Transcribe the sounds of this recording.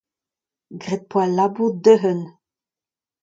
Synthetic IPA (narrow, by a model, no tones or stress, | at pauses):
ɡʁɛt̪̚pwalabuʁd̪øɦən